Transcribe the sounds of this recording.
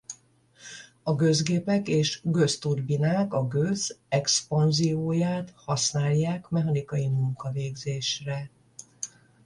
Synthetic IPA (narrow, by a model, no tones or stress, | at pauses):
ɒɡø̞zɡeːpɛkeːʃɡø̞st̪urbinaːkɒɡøzɛkspɒnzijoːjaːt̪hɒsnaːljːaːkmɛɦɒnikɒjimuŋkɒveːɡzeːʃrɛ